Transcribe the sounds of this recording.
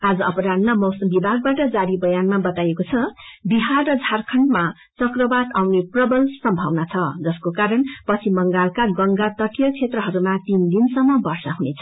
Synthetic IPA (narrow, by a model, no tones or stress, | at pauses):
ad͡zʌʌpɾad̪namʌwsʌmbibʱaɡ̚baʈʌd͡zaɾibʌjanmabʌt̪ajekot͡sʰʌbiɦarːʌd͡zʱarkʰʌɳʈma | t͡sʌkrʌbad̪awneprʌbʌlsʌmbʱʌwnat͡sʰʌd͡zʌskokaɾʌnpʌt͡sʰimʌŋɡalkaɡʌŋɡat̪ʌʈijʌkt͡sʰet̪rʌɦʌɾumat̪ind̪insʌmːʌbʌrsʌɦunet͡sʰʌ̥